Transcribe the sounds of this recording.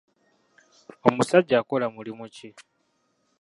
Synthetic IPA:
omusaɟːaːkolamulimuci

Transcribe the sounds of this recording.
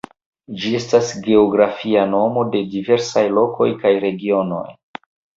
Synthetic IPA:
d͡ʒie̞stasɡe̞oɡɾafiano̞mo̞de̞dive̞ɾsajlo̞ko̞jkajɾe̞ɡio̞no̞̰j

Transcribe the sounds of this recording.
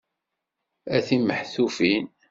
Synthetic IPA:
æθiməħθufin

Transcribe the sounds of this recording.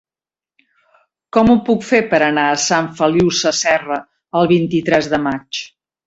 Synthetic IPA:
kɔmupukfepəɾənaəsaɱfəliwsəsɛrə | əlˠβ̞int̪it̪ɾɛzðəmat͡ʃ

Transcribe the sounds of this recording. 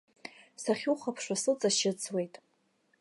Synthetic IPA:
saχʲuχapʰʂasɨt͡sʼaʃɪt͡sʰwe̞jtʼ

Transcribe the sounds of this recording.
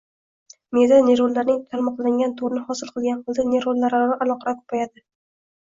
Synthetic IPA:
mezaneɾolːaɾnɪŋt̪ʰalmɒqlˠaɪŋɡʲant̪ʰoɾnɪhɒsɪlˠqʰɨlˠɡʲanqʰɨlˠd̪ɪneɾolˠlːaɾanɪʔalˠɒqɑɾakʰo̥pʰajad̪ɪ

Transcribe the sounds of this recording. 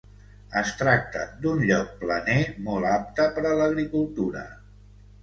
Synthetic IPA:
əst̪ɾak̚t̪ə̰d̪unʎɔk̚plənemɔlˠap̚t̪əpəɾələɣɾikulˠt̪uɾə̰

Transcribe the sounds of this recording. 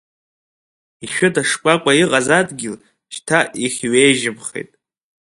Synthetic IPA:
iʃᶣʊtaʂkʷʼakʷʼaiqʼazadɡʲɪl | ʃtʰaʔiχʲɥejʒɪmχḛjtʼ

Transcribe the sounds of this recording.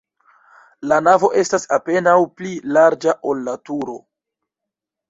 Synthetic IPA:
lanavo̞ʔe̞stasape̞nawplilaɾd͡ʒaʔo̞lːatuɾo̞

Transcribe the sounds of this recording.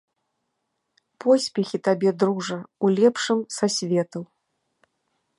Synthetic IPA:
pɔsʲpʲɛxʲit̪abʲɛd̪ɾuʐɐulʲɛpʂɨmsasʲvʲɛt̪ɐw

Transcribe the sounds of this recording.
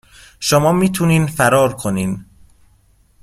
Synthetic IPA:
ʃomɒːmiːt̪ʰuniːnfæɾɒːɾkʰoniːn

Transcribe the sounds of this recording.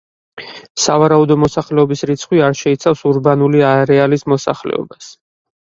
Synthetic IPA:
savaɾaud̪ɔmɔsaχlɛɔbisɾit̪sʰχwiaɾʃɛit̪sʰafsuɾbanuliaɾɛalismɔsa̰χlɛ̰ɔ̰bas

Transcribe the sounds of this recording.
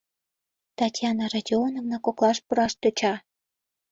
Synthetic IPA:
t̪ɑtʲjɑnɑrɑdʲionovnɑkoklˠɑʃpuɾɑʃt̪ø̆t͡ɕɑ

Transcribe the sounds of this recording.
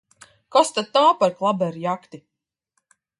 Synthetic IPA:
kɔst̪ad̪̚t̪ːaːpaɾklˠabɛɾjakt̪i

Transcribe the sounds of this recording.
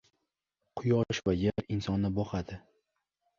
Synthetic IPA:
qʰʊjɒʃvajeɾɪnsɒnːɪbɒχad̪ɪ

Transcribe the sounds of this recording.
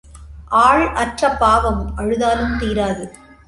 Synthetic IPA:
ʔaːɻʔɐʈrɐpːaːʋɐmʔɐɻɯðaːlɯmt̪iːɾaːðɯ

